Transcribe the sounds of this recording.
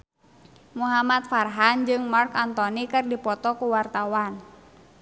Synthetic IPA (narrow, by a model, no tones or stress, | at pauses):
muɦamat̪farɦand͡ʒɨŋmarkant̪ɔnikɨrdipɔt̪ɔkuwart̪awan